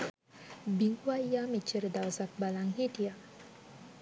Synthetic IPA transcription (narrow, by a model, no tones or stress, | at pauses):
biŋɡʋajjaːmit͡ʃːəɾəd̪awsak̚balaŋɦit̪ija